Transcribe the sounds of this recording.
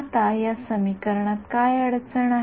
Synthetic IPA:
t̪ajasəmikəɾɳat̪kajəɽt͡səɳa

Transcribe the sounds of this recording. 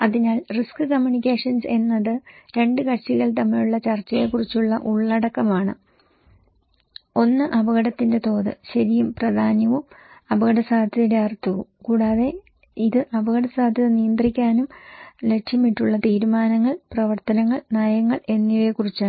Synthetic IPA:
ɐðinaːlriskɨkɐmjunikʲːe̞ːʂɐnse̞nːɐðɨɾe̞ɳɖɨkɐt͡ɕiɣɐɭt̪̬ɐmːijuɭːɐt͡ɕɐrt͡ɕːɐjekurit͡ɕːuɭːɐʔuɭːɐɽɐkːɐmaːɳɨ̰ | o̞nːɨʔɐbɐɣɐɽɐt̪ːinde̞t̪o̞ːðɨ̰ɕɐɾijumprɐd̪ʱaːnjɐʋumɐbɐɣɐɽɐsaːd̪ʱjɐðindeɐrt̪ːɐʋukuːɽaːðe̞ | iðɨʔɐbɐɣɐɽɐsaːd̪ʱjɐðɐnijɐnd̪rikʲːaːnumle̞ʈʂjɐmːiʈːuɭːɐt̪iːɾumaːnɐŋːɐɭprɐʋɐrt̪ɐnɐŋːɐɭnaːjɐŋːɐɭʔe̞nːijʋekurit͡ɕːaɳ

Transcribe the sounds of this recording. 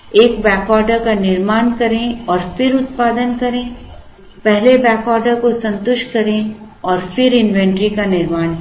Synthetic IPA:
eːkbɛːkɔːɾɖəɾkanɪɾmaːnkɐɾẽɔːɾfɪɾʊt̪paːd̪ənkɐɾẽː | pɛɦlebɛːkɔːɾɖəɾkosɐ̃nt̪ʊʃʈkɐɾẽ | ɔːɾfɪɾɪ̃nʋɛ̃ɳʈɾikanɪɾmaːn

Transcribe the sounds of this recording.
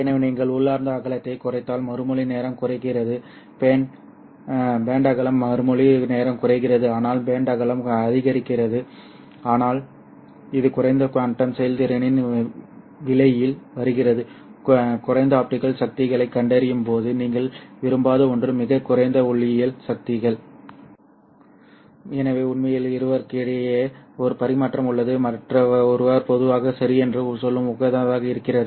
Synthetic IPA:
ɪnɐʋniːŋɡɐɭʊɭːaːɾnd̪ɐːɣɐɭɐt̪ːɐɪkʊrɐɪt̪ːaːlmɐɾɯmɔɭɪneːɾɐmkʊrɐɪkːɪrɐðɯ | peːn | beːɳɖɐɣɐɭɐmːɐɾɯmɔɭineːɾɐmkʊrɐɪkːɪrɐðɯaːnaːlbeːɳɖɐɣɐɭɐmɐðɪɣɐɾɪkːɪrɐðɯ | aːnaːl | ɪðɯkʊrɐɪnd̪ɐkɐɳʈːɐmsɛjɐlt̪ɪɾɐnɪn | ʋɪɭɐjɪlʋɐɾɯɣɪrɐðɯ | kʊrɐɪnd̪ɐaːp̚ʈɪɣɐɭsɐk̚t̪ɪɣɐɭɐɪkːɐɳɖɐɾɪjɯmpoːðɯniːŋɡɐɭʋɪɾɯmbaːðɐɔndrɯmɪɣɐkːʊɾɐɪnd̪ɐʊɭːɪjɐlsɐk̚t̪ɪɣɐɭ | ɛnɐʋeːʊɳmɐjɪlɪɾɯʋɐɾkiːɽɐjeɐɔɾɯpɐɾɪmaːʈrɐmɯɭːɐðɯmɐʈrɐɔɾɯʋaːɾpɔðɯʋaːɣɐsɐɾɪɛndrɯsɔlːɯmʊɣɐðɐɐðaːɣɐɪɾɯkːɪrɐðɯ

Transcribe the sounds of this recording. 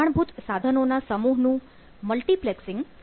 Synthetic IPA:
aɳ̃bʱut̪sad̪ʱənonasəmuɦnũ | məlʈipleksɪ̃ŋɡ

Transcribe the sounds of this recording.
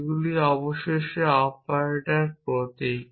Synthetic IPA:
ɡuliɔboʃeʃeapaɾeʈaɾpɾot̪e

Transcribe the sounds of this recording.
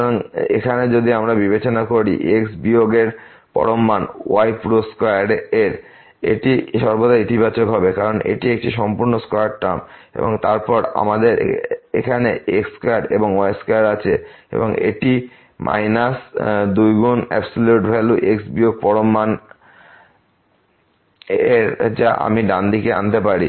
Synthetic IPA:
ɾaŋḛkʰaned͡ʑod̪ʱiamɾabibet͡ɕonakoɾḭʔeksbioɡeɾ | pɔ̰ɾomːano̰ajpɾoskajaɾeɾ | ḛʈiʃɔɾbod̪aɾit̪ʰibat͡ɕokɦɔbekaɾonʔḛʈiek̚ʈiʃɔmpuɾnoskojaɽʈamḛboŋt̪aɾpɔɾa̰mad̪eɾ̰ḛkʰaneekskaaɾɖḛboŋoajskajaɾat͡ɕʰeḛboŋḛʈi | mʔa̰jnasd̪ujɡonɛ̰bsoljuʈbʱɛluʔeksbioɡ̚pɔɾomːan | eɾd͡ʑaʔa̰miɖand̪ikeʔa̰nt̪epaɾḭ

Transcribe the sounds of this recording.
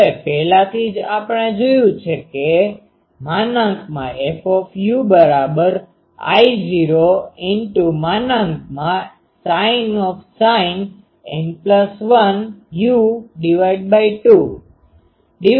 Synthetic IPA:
epɛɦlat̪ʰid͡ʒapəɳed͡ʒojũt͡ʃʰeke | manə̃ŋkmãefɔfjubəɾabəɾ | a̰jd͡ʒiɾoɪnʈumanəŋkmã | sainɔfsain | ɛ̰npləsʋənjuɖiʋaiɖ̚baiʈu | ɖi

